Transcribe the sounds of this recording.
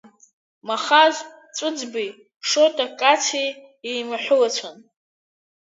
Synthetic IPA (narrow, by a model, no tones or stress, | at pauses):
maχaz | t͡sʷʼʊd͡zbij | ʂotʼakʼat͡sʰi | ejmaħʷʊlat͡sʷʰan